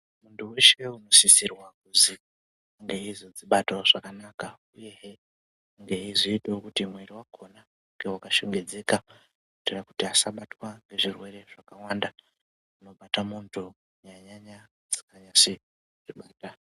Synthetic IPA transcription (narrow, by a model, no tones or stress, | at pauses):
muntʰuweʃeuno̞sisirwakuzi | aŋɡe̞izod͡ziɓatoʐ̥akanaka | ujeɦe | ŋɡe̞iʐiːteokutimwiɾiwakʰo̞na | uŋɡe̞wakaʃoŋɡe̞d͡ze̞ka | utirakutiasaɓatwaŋɡe̞ʐirwe̞ɾe̞ʐ̥akawanda | uno̞ɓatamuntʰu | jaɲaɲa | d͡zi̥kaɲase | ʐ̥iɓaːta